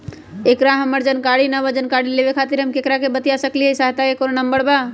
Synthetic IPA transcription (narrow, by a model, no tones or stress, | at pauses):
ekɾaɦəməɾd͡ʒənkaɽinəβad͡ʒənkaɽilebekʰat̪iɾɦəmkekɾakebət̪ijasəkliəsaɦt̪akekonnəmbəɾba